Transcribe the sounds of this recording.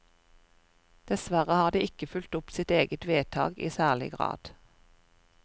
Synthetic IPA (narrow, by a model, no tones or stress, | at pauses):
d̪̥ɛsʋæʁəhɑːd̪iːɪkəfʉlt̪ʊpsɪt̪eːɡət̪ʋeːt̪ʰɑ̰ːɡḭːsæːʁlɪ̰ɡʁɑ̰ːd̪̥